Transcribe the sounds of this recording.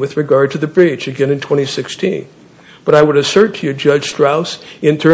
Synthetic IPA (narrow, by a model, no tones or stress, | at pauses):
wɨðɹɨɡɑɹd̚tʰɨðɨbɹit͡ʃɨɡɛ̃nɨ̃ntʰw̥ɛ̃ɾ̃isɪkstʰḭ̃n | b̥ʌɾaɪwəɾɨsɜ˞tʰɨjɨd͡ʒʌd̥ʒ̥stɹ̥aʊsɨ̃ntʰɜ̃˞